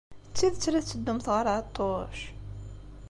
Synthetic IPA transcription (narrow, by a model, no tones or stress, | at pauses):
t͡sːiðt͡sːɾæt͡sːəd̪ːumθʁəɾˤt̪ˤːoʃ